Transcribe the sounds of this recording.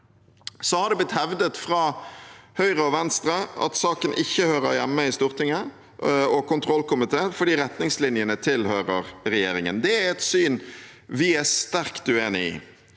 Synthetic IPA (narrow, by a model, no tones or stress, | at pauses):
sɔhɑd̪ɛblɪt̪hɛʋd̪ət̪fɾɑːhœʏʁəɔʋɛnst̪ɾəʔɑ̰t̪sɑːkənʔɪçːəhøːɾəɾjɛmːəɪst̪uːʁt̪ʰɪŋːə | ɔkʊnt̪ʰɾɔlkʊmɪt̪ʰeːnfɔɖiːɾɛt̪nɪŋslɪnjənət̪ʰɪlhøːɾəʁɾɛjeːɾɪŋə̰nd̪ɛæɛt̪syːn | ʋɪæst̪æʁkd̪ʉeːnɪɪ̰